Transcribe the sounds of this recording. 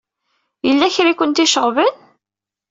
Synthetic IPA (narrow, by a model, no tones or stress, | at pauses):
jəlːæçɾikʷʊnt̪iʃəʁvən